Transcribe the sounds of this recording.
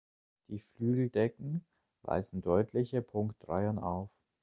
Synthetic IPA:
d̥iːflyːɡl̩dɛkŋ̩ | va̰ɪzn̩dɔʏtʰlɪçəpʰʊŋktdʁa̰ɪɐnʔa̰ʊf

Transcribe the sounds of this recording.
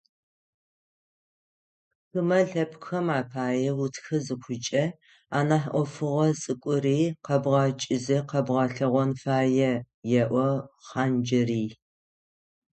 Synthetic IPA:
xɨmɐɮɐpxɐmaːpʰaːjɛwʊtʰxɐzɨxʷʊt͡ʃʼɐ | aːnaħʔʷɔfɨʁɐsʼɨkʷʼʊɾiːqɐbʁɑt͡ʃʼɪzɨqɐbʁɑɬɨʁʷɔnfaːjɛ | jɛʔʷɔχaːnd͡ʒɪriː

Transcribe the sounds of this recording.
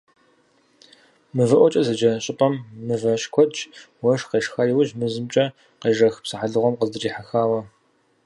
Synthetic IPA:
mɨvɐʔʷɔt͡ʃʼɐzɐd͡ʒɐɕʼɪpʼɐmːɨvɐʃkʷʰɔd͡ʒ | wɐʂqeːʂxɐjiwʊʒmɨzɨmt͡ʃʼɐ | qeːʐɐxpsɨħaɮɨʁʷɔmqəzdɨriːħaxaːwɐ

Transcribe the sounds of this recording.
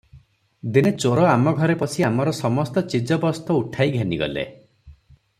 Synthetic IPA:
d̪inet͡ʃoɾɔamɔɡʱɔɾepɔsiamɔɾɔsɔmɔst̪ɔt͡ʃid͡ʒɔbɔst̪ɔuʈʰajɡʱeniɡɔ̰lḛ

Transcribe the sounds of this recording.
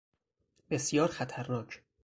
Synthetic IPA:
be̞sjɒːɾxæt̪ʰæɾːɒːt͡ʃʰ

